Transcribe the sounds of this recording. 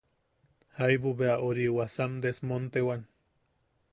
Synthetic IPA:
hajbuβeaʔoɾiwasamd̪esmont̪ewan

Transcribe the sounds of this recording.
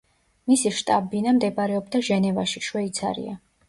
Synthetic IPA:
misiʃt̪ʼabinamd̪ɛbaɾɛɔb̚d̪aʒɛnɛvaʃiʃwɛit̪sʰa̰ɾḭa̰

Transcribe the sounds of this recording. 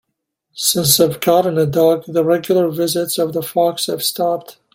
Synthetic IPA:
sɪ̃nsɨvɡʰɑɾɨ̃nɨdɔɡðəɹɛɡjl̩ˠə˞vɪzɨtsʌvðəfɑkshɨv̥stʰɑp̚t

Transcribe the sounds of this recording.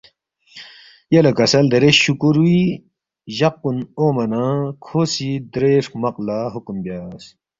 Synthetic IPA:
jɐlɐkɐsɐld̪ɐɾeɕukuɾui | ʑɐq̚ːunoːmɐnãkʰoːsid̪ɾeːʂmɐqlaɦukumbjaːs

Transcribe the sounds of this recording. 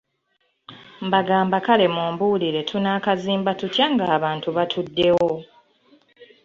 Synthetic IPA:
mbaɡaːmbakale̞muːmbuːliɾe̞tʰunaːkaziːmbatutjaŋɡaːβaːntuβatʰudːe̞wo̞

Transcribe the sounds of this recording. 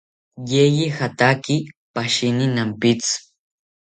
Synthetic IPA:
jejixat̪akipaʃinɪnampɪt͡s

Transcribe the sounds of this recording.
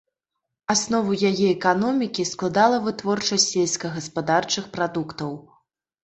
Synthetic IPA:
asnɔvɐjajɛɛkanɔmʲikʲisklˠad̪alˠɐvɨt̪vɔrt͡ʂɐsʲsʲelʲskɐɣɐspad̪art͡ʂɨxpɾad̪ukt̪ɐw

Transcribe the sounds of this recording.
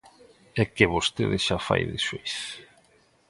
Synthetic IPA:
ɛkɪβost̪eðɪʃafa̰jðɪʃojs

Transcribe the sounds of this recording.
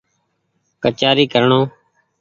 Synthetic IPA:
kət͡ʃaːɾiːkəɾɳoː

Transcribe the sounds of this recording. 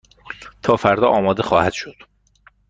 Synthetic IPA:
t̪ʰɒːfæɾd̪ɒːʔɒːmɒːd̪exɒːhæd̪̥ʃod̪̥

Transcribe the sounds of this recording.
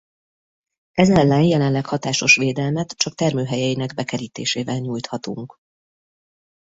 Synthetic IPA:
ɛzɛlːɛnjɛlɛnlɛkhɒt̪aːʃo̞ʃʋeːd̪ɛlmɛt̪t͡ʃɒk̚t̪ɛrmøːɦɛjɛjinɛɡbɛkɛɾiːt̪eːʃeːvɛlɲuːjt̪hɒt̪uŋk

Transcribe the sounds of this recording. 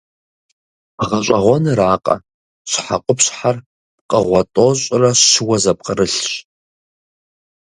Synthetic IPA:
ʁɐɕʷʼɐʁʷɔnɨraːqʼɐ̰ | ɕħa̰qʷʼʊpɕħar | p̚qʼəʁʷɔtʼoɕʼrɐɕʃɨwɐzɐp̚qʼəɾɨɬɕʼ

